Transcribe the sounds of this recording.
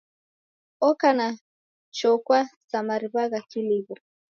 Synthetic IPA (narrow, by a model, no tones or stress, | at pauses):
ɔkana | t͡ʃɔkwasamaɾiβaɣakiliβɔ